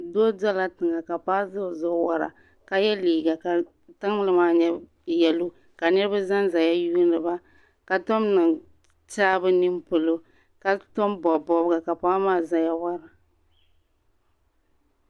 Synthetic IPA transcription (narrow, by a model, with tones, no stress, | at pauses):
doː˦dɛ˦la˦tɨ˨ŋa˨ka˨paː˦zʊ˦˨zʊ˦wa˨ɾa̰˨ | ka˨jɛ˦liː˨ɡa˨ka˨ | tɨ˦ŋ˦lɨ˨maː˦ɲɛ˦ | jɛ˨lo˦ | ka˨nɨ˦ɾɨ˦ba˦za˦nza˨ja˦juː˦nɨ˨ba˦ | ka˨tɔ˦mnɨ˨ŋ | t͡ʃaː˦bɨ˦ni˦mpʊ˨lo˦ | ka˨tɔ˦mbɔ˨bɔ˨bɡa˨ka˨paː˦maː˦˨za˨ja˦wa˦ɾa˨